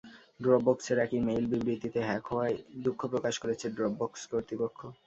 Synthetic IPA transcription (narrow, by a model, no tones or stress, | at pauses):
ɖɾɔɡ̚bɔkseɾɛkimejlbibɾit̪it̪eɦɛkɔaed̪ukʰːopɾokaʃkoɾet͡ɕʰeɖɾɔɡ̚bɔkskoɾt̪ipokʰːo